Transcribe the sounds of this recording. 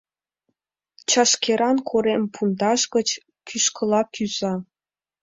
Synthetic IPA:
t͡ɕɑʃkeɾɑnkʰoɾempʰund̪ɑʃɣət͡ɕ | kyʃkʰəlɑkyzɑ

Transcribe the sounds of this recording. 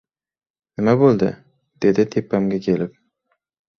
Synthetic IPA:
nɪmabolˠd̪ɪ̰ | d̪̥e̞d̪ɪt̪ʰe̞pʰːamɡʲakʲʰe̞lɪp̚

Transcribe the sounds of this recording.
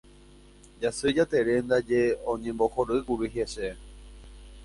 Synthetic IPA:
d͡ʒasɨd͡ʒat̪e̞ɾe̞nd̪ad͡ʒeõɲẽ̞mbo̞hoɾɨkuɾiɦeʃe

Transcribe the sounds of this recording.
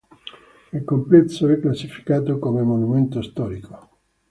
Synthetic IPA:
ilkomplɛt̪sːoɛkːlasifi̥kaːt̪okomemonument̪ost̪ɔɾikʰo̥

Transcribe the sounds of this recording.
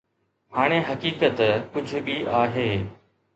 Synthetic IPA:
haːɽ̃eɦɐkiːkət̪kʊd͡ʑʱʊɓiaːɦeː

